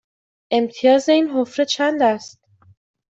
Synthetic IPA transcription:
ʔe̞mt̪ʰijɒːze̞iːnɦofɾet͡ʃʰænd̪æst̪̚

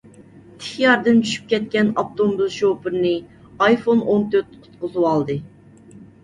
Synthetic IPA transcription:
t̪ʰɪ̥χjɑɾd̪ɨnt͡ʃʰy̥ʃy̥p̚kʲɛt̪̚kʲɛnɑp̚t̪ombuzʃopɨɾnɨ | ɑjfonont̪ʰøɾt̪qʰʊ̥t̪̚qʊzɨwɑlˠd̪ɨ

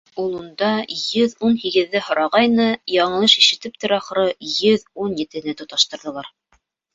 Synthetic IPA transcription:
ulˠund̪ɑjɵðunhiɡɘ̆ðːɘɦŏɾɑʁɑjnɤjɑɴɤ̆lˠɤʃiʃɘ̆t̪ɘp̚t̪ɘ̆ɾɑχɾɤjɵðunjɘ̆t̪ɘ̆nɘt̪ŏt̪ɑʃt̪ɤ̆ɾðɤ̆lˠɑɾ

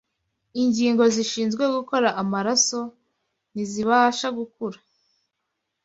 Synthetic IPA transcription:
iɲɟiːŋɡo̞ziʃiːnzɡwe̞ɡuko̞ɾaʔamaɾaso̞ | niziβaʃaɡukuɾḁ

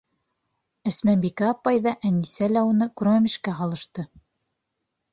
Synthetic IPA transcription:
ɘ̆smænbikæːpɑjðɑʔænisælæunɤkɾoæmʲiʃkæɦɑlˠɤ̆ʃt̪ɤ

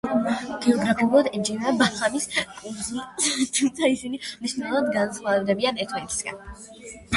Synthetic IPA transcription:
ɡ̥ɛɔɡɾapʰiulˠad̪ɛnd͡ʒinabat̪lamiskʼuɾzit̪ʰumt̪sʰaisinimniʃnɛlˠuvad̪ɡansχwavɛbd̪ɛbianɛɾt̪ʰvɛnit̪ʰi̥sɡ̥a̰n

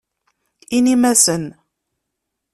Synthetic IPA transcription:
inimæsən

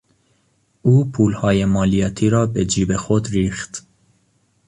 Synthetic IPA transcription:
ʔuːpʰuːlhɒːjemɒːlijɒːt̪ʰiːɾɒːbed͡ʒiːbe̞xod̪ɾiːxt̪

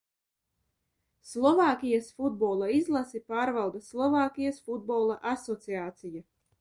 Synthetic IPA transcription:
slˠɔvaːkʲijasfud̪̚boːlˠaizlˠasipaːɾvawd̪aslˠɔvaːkʲijasfud̪̚boːlˠaʔasɔt̪siaːt̪sija

